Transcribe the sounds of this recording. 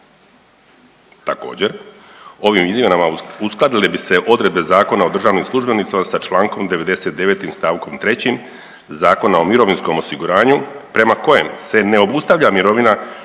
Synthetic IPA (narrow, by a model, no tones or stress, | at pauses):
t̪ako̞̰ːd͡ʑe̞ɾ | o̞ʋimizmʲje̞namausklˠad̪ilebise̞ʔo̞d̪ɾe̞d̪be̞zaːko̞nao̞d̪r̩ʒaːʋnimslˠuʒbe̞nit̪siamasat͡ʃlˠaːŋko̞md̪e̞ʋe̞d̪e̞se̞t̪̚d̪e̞ʋe̞t̪imst̪aːʋko̞mt̪ɾe̞t͡ɕim | zaːko̞nao̞miɾoʋinsko̞mo̞siɡuɾaːɲupɾe̞mako̞je̞̰mse̞ne̞o̞bust̪aʋʎamiɾo̞ʋina